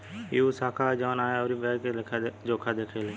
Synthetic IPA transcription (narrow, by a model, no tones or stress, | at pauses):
jusaːkʰaːd͡ʒaːnaːjaoːɾiːbɛːkekʰd͡ʒoːkʰad̪eːkʰɾele